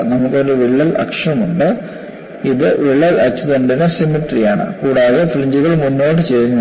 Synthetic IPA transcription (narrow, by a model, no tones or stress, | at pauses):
nɐmukːo̞ɾuʋiɭːɐlɐ̰kʂɐmuɳɖɨ | iðɨʋiɭːɐlɐt͡ɕːɐðuɳɖinɨsimiʈrijaːɳɨ̰kuːɽaːðefliɲd͡ʑuɣɐɭmunːo̞ːʈ̬ːɨt͡ɕe̞juɲːɐ